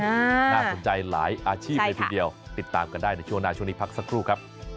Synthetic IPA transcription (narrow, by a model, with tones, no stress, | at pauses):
a˧aː˥˩so˩˦nt͡ɕa˧jla̰ː˩˦jʔaː˧t͡ɕʰiː˥˩a˧t̪ʰiː˥˧di˧əwt̪i˨˩t̪ːaː˧mka˧ndaː˥˩jna˥˩jt͡ɕʰu˥˩ŋnaː˧˩t͡ɕʰu˥˩˨niː˦˥˩pʰa˦˥k̚sa˦˥kʰɾuː˥˩kʰa˦˥p̚